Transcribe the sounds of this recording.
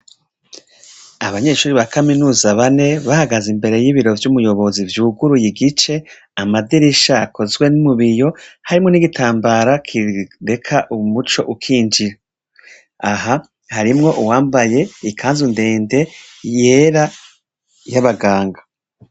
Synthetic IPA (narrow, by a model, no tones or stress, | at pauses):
aβaɲe̞ːʃuːɾiβakaminuːzaβane̞βahaɡazimbe̞ɾe̞jiβiɾo̞vjumujo̞βo̞zivjuːɡuɾujiɡit͡ʃe̞ | amadiɾiʃaːkʰo̞zɡwe̞numuβijo̞haɾimŋoniɡitʰaːmbaɾakʰiɾe̞kʰaʔumut͡ʃo̞ʔukʰiːnd͡ʒiɾa | aɦa | haɾimŋo̞ʔuwaːmbaje̞ikʰaːnzunde̞ːnde̞ | je̞ːɾa | jaβaɡaːŋɡḁ